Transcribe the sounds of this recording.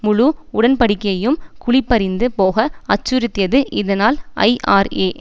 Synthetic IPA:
mʊɻuʊɽɐnpɐɽɪkːɐjɐjɯmkʊɭɪpːɐɾɪnd̪ɯpoːɣɐɐt͡ʃːʊɾɯt̪ːɪjɐðɯʔɪðɐnaːlʔɐ̰ɪʔa̰ːɾeː

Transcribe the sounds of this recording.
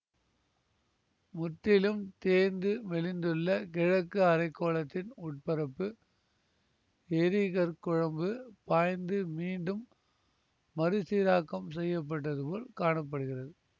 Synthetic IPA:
mʊt̪ːɪlɯmt̪eːnd̪ɯʋɛlɪnd̪ɯɭːɐkɛɻɐkːɯɐɾɐɪkːoːlɐt̪ːɪnʊʈ̚pɐɾɐpːɯ | ɛɾiɣɐɾkʊɻɐmbɯpaːjnd̪ɯmiːɳɖɯm | ɐɾɯsiːɾaːkːɐmsɛjːɐp̬ːɐʈːɐðɯpoːlkaːɳɐpːɐɽɯɣɪrɐðɯ

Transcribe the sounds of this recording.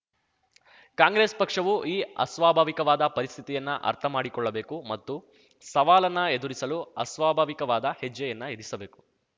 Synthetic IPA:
kaːŋɡɾeːspɐkʂɐʋuʔiːɐ̰sʋaːbʱaːʋikɐʋaːd̪ɐpɐɾist̪ʰit̪ijɐnːɐʔɐ̰ɾt̪ʰɐmaːɽikɔɭːɐbe̞ːkumɐt̪ːu | sɐʋaːlɐnːɐe̞d̪uɾisɐluɐ̰sʋaːbʱaːʋikɐʋaːd̪ɐhed͡ʒːɐjɐnːɐed̪isɐbe̞ːku̥

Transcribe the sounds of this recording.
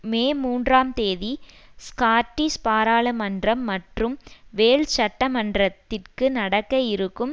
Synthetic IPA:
meːmuːndraːmt̪eːðiskaːʈːispaːɾaːlɐmɐndrɐmːɐʈrɯmʋeːɭt͡ʃɐʈːɐmɐndrɐt̪ːɪrkɯnɐɽɐkːɐjɪɾɯkːɯm

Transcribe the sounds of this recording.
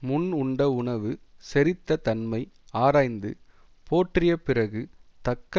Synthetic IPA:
mʊnʊɳɖɐʊɳɐʋɯsɛɾɪt̪ːɐt̪ɐnmɐɪaːɾaːjnd̪ɯ̰ | pʰoːʈrɪjɐpɪɾɐɣɯt̪ɐkːɐ

